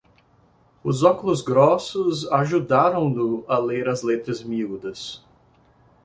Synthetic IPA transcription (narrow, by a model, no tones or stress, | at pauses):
ʊzɔkʊlʊzɡɾɔsʊzaʒud̪aɾɐ̃w̃d̪ʊɐleɾɐzlet̪ɾɐzmiud̪ɐs